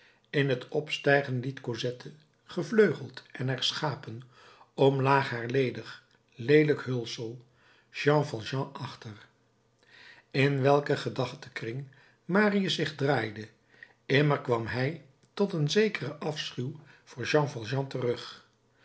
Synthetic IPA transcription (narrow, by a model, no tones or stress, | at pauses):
ɪnɦətɔpstɛjχənlitkozɛtʰə | χəvløɥχəlˠtɛnɛɹsχaːpən | ɔmlaːχɦaːɹlejdəχ | lejdələkɦɵlˠsəlˠ | ʒ̥ɑ̃ːfɑlˠʒɑ̃ʔɑχtər | ɪnʋɛlˠkəχədɑχtəkrɪŋ | maːriəsɪχdraːjdə | ɪməɹkʋɑmɦɛj | tɔtənzejkərəʔɑfsχyw | v̥ʊːɹʒɑ̃vɑlˠʒɑ̃tərɵχ